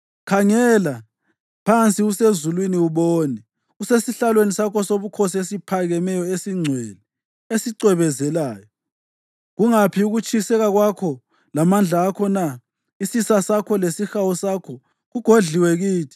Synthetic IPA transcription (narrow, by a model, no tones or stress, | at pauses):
kʰaŋɛla | pʰant͡sʼiusezulwiniuβoːnɛ | usesiɬalwenisakʰɔsoβukʰosiesipʰaɣɛmɛjɔesiŋ͡ǀʱwɛ̰lɛ | esiǀwɛβɛzɛlaːjɔ | ɣuŋapʰiuɣut͡ʃʰʼisɛɣaɣwakʰɔ | lamand͡ɮʱaːkʰɔna | isisasakʰɔlesixawɔsakʰɔ | ɣuɡ̥ʱoɮʱiwɛɣiːtʰi̥